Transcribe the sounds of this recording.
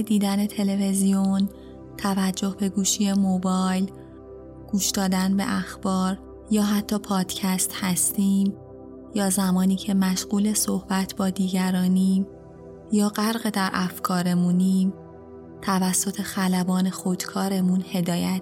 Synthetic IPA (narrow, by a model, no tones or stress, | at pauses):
ed̪iːd̪æne̞t̪ʰe̞le̞ve̞zijon | t̪ʰævæd͡ʒːo̞hbe̞ɡuːʃiːje̞mobɒːjl | ɡ̥uːʃd̪̥ɒːd̪ænbe̞̰ʔæxb̥ɒːɾ | jɒːɦæt̪ʰːɒːpʰɒːd̪̥cʰæst̪hæst̪iːm | jɒːzæmɒːniːcʰe̞mæʃɢ̥uːle̞sohb̥æt̪ʰbɒːd̪iːɟæɾɒːniːm | jɒːɢæɾɢe̞d̪æɾʔæfkʰɒːɾe̞muniːm | t̪ʰævæsːo̞t̪ʰe̞xælæbɒːne̞xod̪̥kʰɒːɾe̞munhe̞d̪ɒːjæ